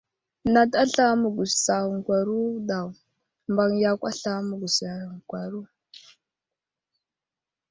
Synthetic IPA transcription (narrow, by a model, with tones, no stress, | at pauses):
na˨ta˦ɬa˦mə˨ɡu˨ssa˨ŋ˨kʷa˨ɾu˦ɗa˨w | mba˨ŋja˦kʷa˦ɬa˦mə˨ɡu˨sa˨ŋ˨kʷa˨ɾu˦